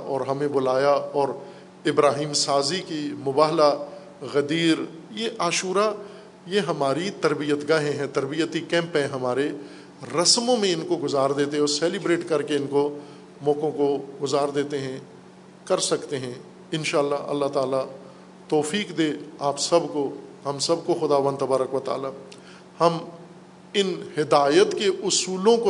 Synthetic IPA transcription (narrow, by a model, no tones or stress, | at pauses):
ʔɔːɾɦɐmẽbʊlaːjaɔːɾ | ɪbɾaːɦiːmsaːzikimʊbaːɦla | ɣɐd̪iːɾjeʔaːʃuːɾa | jeɦɐmaːɾit̪ɐɾbijət̪ɡaːɦẽɦɛ̃t̪ɐɾbijət̪ikɛ̃ːmpɦɛ̃ɦɐmaːɾe | ɾɐsmõmẽɪnkoɡʊzaːɾd̪eːt̪eɦɛ̃ɔːɾsɛːlɪbɾeːʈkɐɾkeɪnko | mɔ̃ːkõkoɡʊzaːɾd̪eːt̪eɦɛ̃ | kɐɾsɐkt̪eɦɛ̃ | ɪnʃaːlːaɐ̰lːat̪aːla | t̪ɔːfiːkd̪eːaːpsɐbkoɦɐmsɐb̚koxʊd̪aːʋə̃nd̪t̪ɐbaːɾəkʋɐt̪a̰ːla | hɐm | ɪnhɪd̪aːjət̪keʔʊsuːlõko